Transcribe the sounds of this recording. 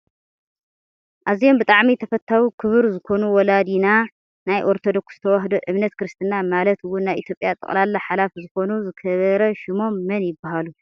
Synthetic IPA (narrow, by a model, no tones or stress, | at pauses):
ʔazijo̞mbɨt̪ʼaʕmit̪ʰɐfɐt̪ʰːawikʰɨβɨɾzɨkʰo̞nuwɔlad̪ina | najʔo̞ɾt̪ʰod̪o̞ksz̥ɨt̪ʰɐwaɦd̪oʔɨβnɐt̪kʰɨɾɨst̪ʰɨnamalɐt̪wʊnːajʔit̪ʰjopʼjat̪ʼɨ̰χʼlalːaħalafzɨko̞nuzɨkʰɐβɐɾɐʃɪmo̞mːɐnjɪbːahalu